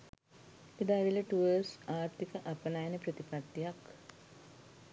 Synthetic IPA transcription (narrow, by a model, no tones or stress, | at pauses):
id̪aːʋiləʈuʋəsaːɾt̪ikəʔapənajənəpɾət̪ipat̪ːijak